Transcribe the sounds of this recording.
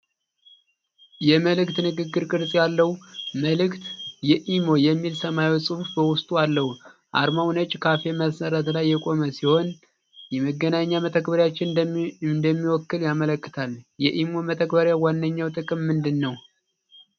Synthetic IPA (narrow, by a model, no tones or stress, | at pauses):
jɛməlɨkt̪nɨɡɨɡːɨɾkʼɨɾsʼjalːəhuməlɨkt̪jɛʔimo̞jɛmːilsəmajsʼɨhufbəwʊst̪ʼualːəhuʔa̰ɾmawnət͡ʃʼkʰafe̞məsəɾət̪lajːɛkʼo̞məsiho̞n | jɛməɡːənaɲːamət̪ʰək̚bəɾjat͡ʃːɪnɨnd̪əmːiwɔkːɨljamələkːɨ̥t̪ʰaljɛʔimo̞mət̪ʰəkbəɾjawanːəɲːawt̪ʼɨkʼɨmːɨnd̪ɨnːəw